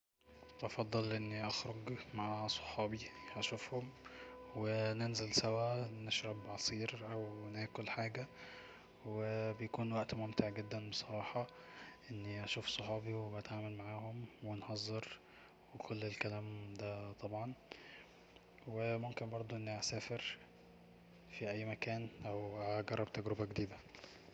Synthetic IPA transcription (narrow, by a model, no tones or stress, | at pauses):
ʔɑfɑd̪ˤːɑlʔenːiʔɑxɾoɡmaʕasˤo̥ħɑːbiʔæʃufhomwenenzælsæwæneʃɾɑbʕɑsˤiːɾʔæwnæːkolħaːɡæ | webejækuːnwæʔt̪momt̪eʕɡed̪ːænbesˤɑɾˤɑːħɑʔenːiʔæʃuːfsˤoħɑːbiweʔæt̪ʕaːmælmaʕaːhomwenhɑzˤːɑɾ | wekʰolːelkælæːmd̪æt̪ˤɑbʕɑn | wemomkenbɑɾˤd̪ˤoʔenːiʕasæːfeɾ | fiʔæjːmækæːnʔæwɡɑrˤːɑb̚t̪æɡɾebæɡd̪iːb̪æ